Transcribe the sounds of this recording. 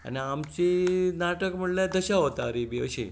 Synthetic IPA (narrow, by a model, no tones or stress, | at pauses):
a̰niamt͡ɕinaʈəkm̤əɽljad̪əɕaɦot̪aɾibiə̰ɕḛ̃